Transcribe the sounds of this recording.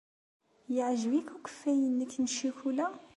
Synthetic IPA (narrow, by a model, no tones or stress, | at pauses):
jəʕʒwikukə̥fːæjənːəkːnʃiçulæ